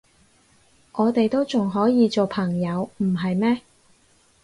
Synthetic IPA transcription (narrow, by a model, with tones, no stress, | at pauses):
ŋʔɔː˨˧t̪e˨jt̪o˥wt͡sʊ˨ŋɦɔː˨˥jiː˨˧t͡so˨˩wpʰɐ˨˩ŋjɐ˨˧wm̩˨˩ɦɐ˨jmɛː˥